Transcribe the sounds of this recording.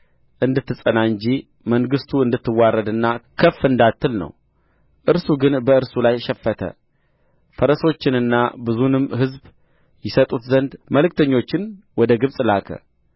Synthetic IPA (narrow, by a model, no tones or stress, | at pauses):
ʔɨnd̪ɨt̪ːɨsʼənaɨɲd͡ʒi | məŋɡɨst̪ʰuɨnd̪ɨt̪ːɨwːarːəd̪ɨnːakʰəfːɨnd̪at̪ːɨlnə̰w | ʔɨɾsuɡɨnbəɨɾsulajʃɛfːət̪ʰə̰ | fəɾəso̞t͡ʃːɪnɨnːa̰bɨzunɨmɦɨzb | jɪsət̪ʼut̪zənd̪məlɨk̚t̪ʰəɲːo̞t͡ʃːɪn | wɔd̪əɡɨβsʼlakʰə̰